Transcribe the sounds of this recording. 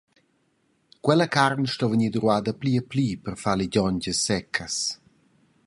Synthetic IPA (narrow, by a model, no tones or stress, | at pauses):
kwɛləkarnʃtɔvəɲid̪ɾwaːd̪əpliəpliːpərfaliɟɔɲɟəsːɛkʰəs